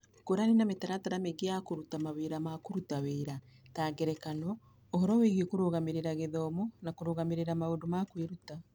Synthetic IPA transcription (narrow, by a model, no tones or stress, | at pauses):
koɾanenametaɾataɾameɡeakoɾutamaweɾamakoɾutaweːɾataːɡɛɾɛkanɔ | ohɔɾɔweɣiokoɾoɣameɾeɾaɣeðɔːmɔnakoɾoɣameɾeɾamaoːndomakweɾuta